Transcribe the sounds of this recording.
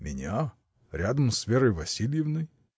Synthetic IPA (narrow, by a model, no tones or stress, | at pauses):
mʲɪ̰nʲa | ɾʲad̪əmsvʲeɾəjvɐsʲilʲjɪvnɨj